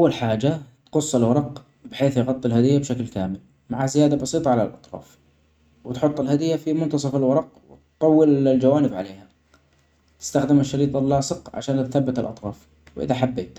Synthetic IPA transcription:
ʔawːalħaːd͡ʒat̪qʊsˤːɪlwɑɾˤɑq | bɪħeːθjɪɣɑt̪ˤːɪlhad̪ɪjːabʃaklkaːmɪl | maʕazɪjaːd̪abɑsiːt̪ˤɑʕalalʔɑt̪ˤɾˤɑ̰ːf | wɪt̪ħʊt̪ˤːɪlhad̪ɪjːafimʊnt̪ɑsˤɑfɪlwɑɾˤɑq̚wɪt̪t̪ˤːɑwːɪlld͡ʒawaːnɪbʕa̰leːha | t̪ɪ̥st̪axd̪ɪmɪʃːɑɾiːt̪ˤɑlːɑːsɨqʕa̰ʃaːnt̪θabːɪt̪ɪlʔɑt̪ˤɾˤɑːf | wʔɪ̰ðaħabːḛːt̪

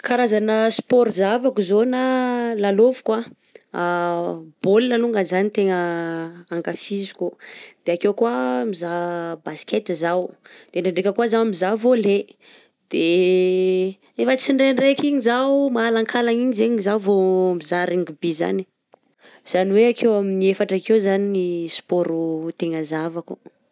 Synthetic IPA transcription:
kaɾazanəspɔɾzavakuzonalalovu̥kwa | a | b̥olilaluŋɡanzanit̪eŋəaŋɡafizu̥kʲud̪̥eakewkuamizabaskʲet̪izawd̪̥enaɳɖ͡ʐekʲəkuazamizavole | d̪̥e | efət͡siɳɖ͡ʐeɳɖ͡ʐekiɲizawmaːlaŋkʰalaŋiɲizeɲzawvomizaɾiŋɡubiza̰ni̥ | z̥aniweakʰewaminiefaʈ͡ʂakewzaninispoɾut̪eŋəzavaku

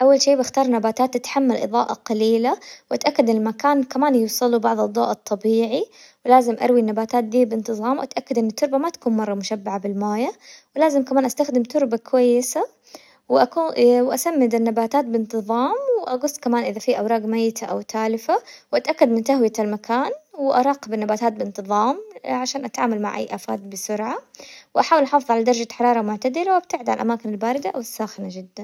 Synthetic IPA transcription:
ʔawːalʃeːbaxt̪ɑːɾˤnabaːt̪aːt̪ʔat̪ħamːalʔɨ̰ðˤɑ̰ːʔɑqɑliːlawʔat̪ʔakːad̪ɪnɪlmakaːnkamaːnjuwsˤɨlubɑʕðˤɨd̪ˤːɑ̰ːʔɑt̪ˤːɑbiːʕi | wlaːzɪmʔɑ̰ɾˤwinːabaːt̪aːt̪̚d̪iːbɪnt̪ɨðˤɑːmwʔat̪ʔakːad̪ʔɪnːɪt̪ːʊɾˤbamat̪ḁkuːnmɑrˤːɑmʊʃabːaʕabɪlmaːjawlaːzɪmkamaːnʔast̪axd̪ɪmt̪ʊɾbakwajːɪsa | wɪʔakuːwʔasamːɪd̪ɪnːabaːt̪aːt̪̚bɪnt̪ɨðˤɑːmwɪʔaɡʊsˤːkamaːnʔɪðafiʔawɾˤɑːɡmajːɪt̪ʰaʔawt̪ʰaːlɪfawʔat̪ʔakːad̪mɪnt̪aɦwjat̪almakʰaːnwɪʔɑɾˤɑːqɪbɪnːabaːt̪aːt̪̚bɪɪnt̪ɨðˤɑːmʕaʃaːnʔat̪ʕaːmalma̰ʕʔa̰jːʔaːfa̰ːt̪̚bɪsʊɾʕawʔaħaːwɪlʔɑħɑːfɨðˤʕalad̪ɑɾˤɑd͡ʒaħɑɾˤɑːɾˤɑmʊʕt̪ad̪ɪlawab̚t̪ɪʕd̪ʕa̰lʔa̰maːkɪnalbaːɾɪd̪aʔawɪsːaːxɪnad͡ʒɪd̪ːan

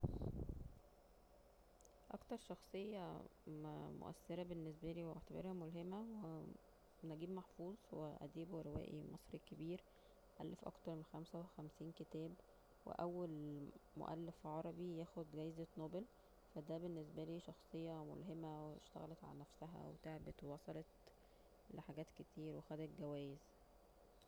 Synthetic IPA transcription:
ʔɑ̰kt̪ɑɾˤʃɑxsˤejːɑmmo̰ʔæ̰sːeɾæbenːesbæliːweeʕt̪ebḛɾhæmolɦemæwe | næɡiːbmɑħfuːzˤweʔæ̰d̪iːbweɾewæ̰ːʔḭmɑsˤɾikebiːɾ | ʔæ̰lːefʔɑ̰kt̪ɑɾˤmenxæmsæwexæmsiːnket̪æːb | wḛʔæwːælmo̰ʔæ̰lːefʕɑɾˤɑbijæːxod̪ɡæjzet̪noːbel | fæd̪æbenːesbæliːʃɑxsˤejːɑmo̰lɦemæweʃt̪æ̰ɣæ̰let̪ʕa̰lænæfsæɦæ̰wet̪eʕbet̪wewɑsˤɑlet̪ | leħaɡæːt̪ket̪ʰiːɾwexæd̪æt̪ɡæwæːjez

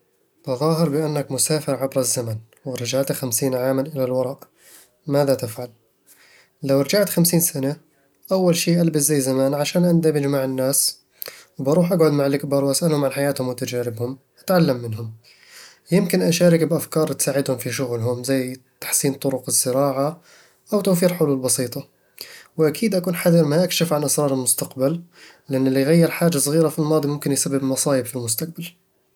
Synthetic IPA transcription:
b̥ɑðˤɑːɦɪɾbɪʔanːakmʊsaːfɪɾʕabɾˤazːaman | wɪɾˤɑd͡ʒaʕt̪axamsiːnʕaːmanʔɪlalwɑɾˤɑʔ | maːðat̪ɪfʕalː | awɾˤɑd͡ʒaʕt̪xamsiːnsana | ʔawːalʃiːʔalbaszajːzamaːnʕaʃaːnʔand̪abɪd͡ʒmaʕɪnːaːs | wbɑɾˤuːħʔaɡʕʊd̪maʕalʔakbɑɾˤwʔasʔalhʊmʕanħajaːt̪hʊmwɪt̪ad͡ʒaːɾɪbhʊm | ʔat̪ʕalːamːɪnɦʊm | jɪmkɪnʔaʃaːɾɪkbʔafkɑːɾˤt̪saːʕɪd̪hʊmfiʃʊɣlɦʊmzajːt̪ḁħsiːnt̪ˤʊɾʊqɪzːɪɾɑːʕa | ʔawt̪owfiːɾħʊluːlbɑsiːt̪ˤɑ | wɪʔakʰiːd̪ʔakuːnħaðɪɾmaʔakʃɪfʕanʔasɾˤɑːɾˤɪlmʊst̪aqballɪʔɪnːɪlːijɣajːɪɾħaːd͡ʒasˤɣiːɾafilmɑːd̪ˤimʊmkɪnjsabːɪbmɑsˤɑːʔɪbfilmʊst̪aq̚bal

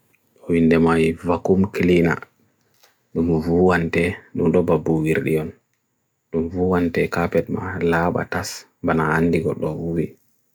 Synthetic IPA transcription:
ɗɔwindɛmajvakumklina̰ | ɗumvuwantɛɗumɗɔbabuwiɾɗḭjɔn | ɗumvuwantɛkapɛt̚ma̰laɓa̰tas | banaːnːdiɡɔɗɔwuwi

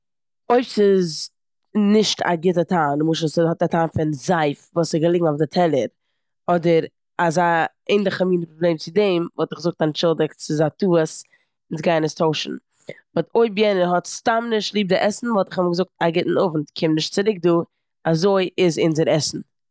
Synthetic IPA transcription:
oɪpsɪz | nɪʃtʰa̰ɡɪtətʰaːnmuːʃshɔtatʰaːnfɪnzaɪfvuːsɪɡəlˠɪɡŋ̩afdɪtʰɛlˠəɾ | ɔdəɾ | aza | eɪndɪχamiːnəpɾɔblˠeːmt͡sɪdɛɪmvɔlˠtɪχɡəzʊk̚tant͡ʃɪlˠdəkt͡sɪzatuːəs | ɪnsɡaɪnəstʰoʊʃn̩ | vɔtoɪbjɛnəɦɔtstamnɪʃtlˠiːb̚dɪʔɛsn̩vɔlˠtɪ̥χɔməɡəzʊk̚taɡɪtn̩ʊvn̩tkʰɪmnɪʃtt͡sɪɾɪk̚duː | azoɪʔɪzɪnzəɾɛsn̩

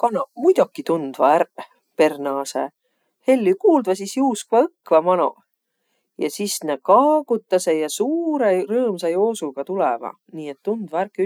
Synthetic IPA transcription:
kɑnɑmujd̪̥okːit̪und̪̥vɑæɾ | pe̞rnɑːsḛ | he̞lʲːikuːld̪vɑsisjuːskvɑɤkːˑvɑmɑno̰ | jɑsisnekɑːɡ̥ut̪ːˑɑsejɑsuːɾerɤːmsɑjo̞ːsulɡ̥ɑt̪ulɛvɑ̰ | niːet̪ːund̪̥vɑærkːy

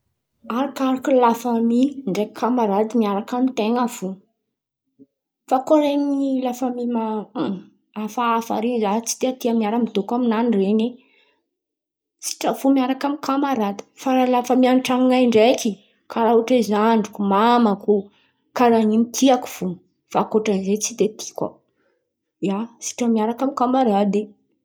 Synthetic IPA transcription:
aɾakaɾakulafamiɳɖ͡ʐekʰamaɾad̪imiaɾakamit̪eŋav̥u | fakoɾemilafəmima | afaːfa̰ɾinzat͡si̥t̪iat̪iamiaɾəmid̪okaminanirene | si̥ʈ͡ʂəvumiaɾakamikʰamaɾat̪ə̥faɾalafəmianʈ͡ʂaŋŋaɳɖ͡ʐeki | kʰaɾauʈ͡ʂezaɳɖ͡ʐukumamaku | kaɾanimit̪ʰiaku̥v̥umə | fakoʈ͡ʂanizet͡sid̪et̪ʰi̥kwa̰ | jasi̥ʈ͡ʂəmiaɾakamikamaɾad̪e

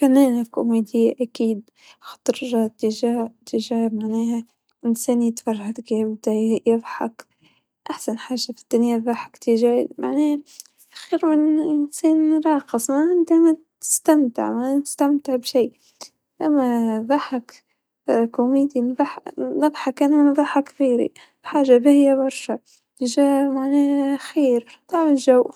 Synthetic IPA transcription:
fanːeːnalko̰meːd̪ɪjːaʔakiːd̪̚ | xɑ̥t̪ˤɨɾʒɑt̪ːɪʒaːt̪ːɪʒaːmaʕnaːha | ʔɪnseːnjɪt̪fɑrˤːaʕt̪kibd̪ajɪðˤħa̰k | ʔaħsanħaːʒafi̥d̪̥ːanjaðɑħḁkt̪ɪʒa̰ːma̰ʕneː | ḁxiːɾmɪnsiːnɾˤɑːqɨsˤmaʔɪnt̪amat̪ | ɪ̥st̪amt̪ɪ̰ʕmaɪst̪amt̪ɪʕbʃiː | ʔamːaðˤɑħak | kumiːd̪inðˤɑħnɨðˤħɑkʔannðˤɑħakθiːɾḭ | bħaːʒabɪhɪjːabɑɾˤʃa | t̪ɪʒaːmaʕnaːxiːɾ | t̪ˤɑːʕʕɪlʒaw

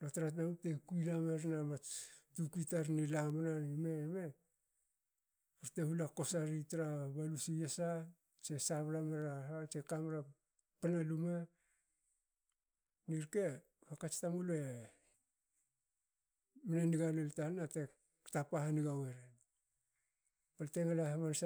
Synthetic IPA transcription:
lotɾat̬namutekujlameɾnamatukitaɾnilamananimeme | uɾtehulako̞saɾitaɾaβalusijesa | t͡ʃe̞saβɾameɾaat͡ʃekamɾa | panaluma | niɾke̞ | hakat͡ʃtamulue | minaniɡaleltanate | tapahaniɡaweɾen | palteŋalahamans

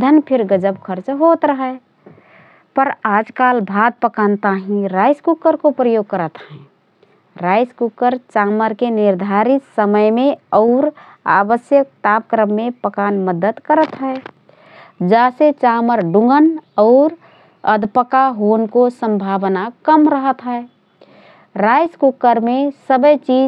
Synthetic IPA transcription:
d̪ʱənpʰɪɾɡəd͡ʒəbkʰəɾt͡ʃɦot̪ɾəɦə | pəɾaːd͡ʒkalbʱad̪̚pəkant̪aɦĩɾaɪskukəɾkopɾəjoɡ̚kəɾət̪ɦɛ̃ | ɾaɪskukəɾt͡ʃaməɾkenɪɾd̪ʱaɾit̪səməjmeɔʊɾ | a̰bəsjək̚t̪ap̚kɾəmːepəkanməd̪ət̪kəɾət̪ɦɛe | d͡ʒaːset͡ʃaməɾɖũŋɡənɔːɾ | əd̪ʱpəkaɦonkosə̃mbʱaʋnakəmɾəɦət̪ɦɛe | ɾajskukːəɾmesəbəjt͡ʃi

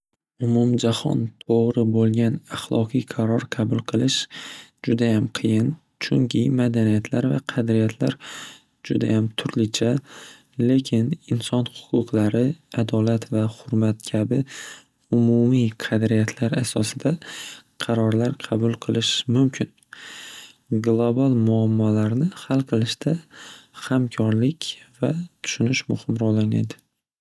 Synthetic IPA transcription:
ʊmʊmd͡ʒahɒ̰nt̪ʰoʁɾɪbolˠɡʲanaχlˠɒqʰɨjqʰɑɾɒɾqʰɑbʊlˠqʰɨlˠɪʃd͡ʒʊd̪ajamqʰɨjɪn | t͡ʃʰʊŋkʲʰɪmad̪anijat̪ʰlaɾva̰qʰɑd̪ɾɪjat̪ʰlaɾ | d͡ʒʊd̪a̰jamt̪ʰʊɾlɪt͡ʃʰa | le̞kʲʰɪnɪnsɒnhʊ̥qʰʊqʰlaɾɪad̪ɒlat̪vahʊɾmat̪kʲʰabɪ | ʊmumiqʰɑd̪ɾijat̪ʰlaɾasɒsɪd̪aqʰɑɾɒɾlaɾqʰɑbʊlˠqʰɨlˠɪʃmʊmkʲʰɪn | ɡlˠobalˠmʊamːɒlaɾnɪhalˠqʰɨlˠɪʃt̪ʰahamkʰɒɾlɪkʲvat̪ʰʊ̥ʃʊnɪʃmʊhɪmɾɒlana̰d̪ɪ

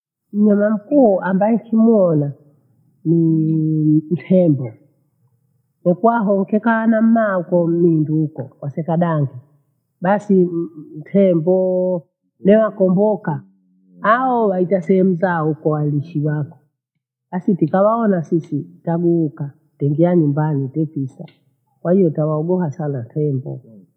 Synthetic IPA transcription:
m̩ɲamam̩kuʔambaɛkimwɔna | ni | m̩tʰɛmbɔ | nɔkuwaɦɔŋ̩kɛkaanam̩maukɔm̩minduːkɔkwasɛkaɗaŋɡi | ɓasim̩tʰɛmbɔ | nɛwakɔmbɔkaː | ɔwaitasɛhɛm̩zaukɔwaliʃiwakɔ̥ | ɓasitikawaɔnasisitaɡuːka | tɛŋɡiaɲumbanitɛpisa̰ | kwahijɔtawaɔɡɔhasanatʰɛmbɔ̰

